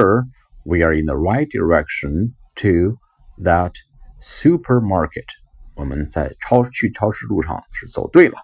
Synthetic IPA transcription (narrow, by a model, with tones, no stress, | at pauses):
ə˧˩ | wi˨ə˞ɪ̃˨nðəɹa˥ɪt̚d̥ə̰ɹɛkʃə̃n | tʰu˧ | ðət | su˥pʰə˞mɑ˥ɹkʰət | wɔ˨˩mə˨nt͡sa˥˩ɪʈ͡ʂʰɑ˥ʊt͡ɕʰy˥˩ʈ͡ʂʰɑ˥ʊʂɻ̩˥˧lṵ˥˩ʈ͡ʂʰɑ̰˥˩ŋʂɻ̩˥˩t͡so̰˨˩ʊt̪we˥˩ɪlə̰˩